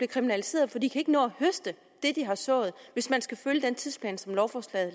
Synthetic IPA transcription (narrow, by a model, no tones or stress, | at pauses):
b̥le̝kʰʁiminælise̝̰ːɐð̞̩ˠfɒ̽d̥ḭ̥ːikʰæe̝ɡ̥ənɔ̰̽ːɒhøsd̥ə | d̥e̝d̥iɦɑ̈sɔ̰̽ːð̞̩ˠʋe̝smænsɡ̥æføljəd̥ent͡sʰiðˠspʰlɛ̰ːnsɒ̽mlɒʊfɒslɛ̰ð̩ˠ